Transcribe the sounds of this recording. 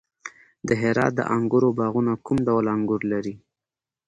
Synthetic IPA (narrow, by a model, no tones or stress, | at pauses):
d̪əɦɪɾɑ̰t̪̚d̪ə̰ʔaŋɡʊɾobɑɣunakumɖawlaŋɡʊɾlaɾi